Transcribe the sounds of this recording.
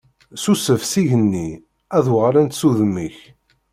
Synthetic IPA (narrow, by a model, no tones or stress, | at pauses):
susəvsiʝənːi | æðwʁɾænt̪suðəmːiç